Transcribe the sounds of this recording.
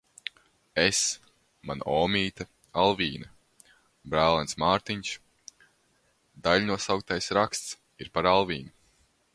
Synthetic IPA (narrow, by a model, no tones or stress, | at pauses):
es | manɔːmʲiːt̪a | alˠviːna | bɾæːlˠansmaːɾt̪iɲs | d̪alʲnuɔsawk̚t̪ajsɾakst̪s | iɾpaɾalˠvʲiːnu